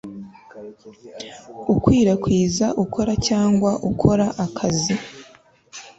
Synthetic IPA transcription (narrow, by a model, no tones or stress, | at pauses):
ukwiːɾakwiːzaʔukʰo̞ɾacaːŋɡwaʔukʰo̞ɾaʔakʰazi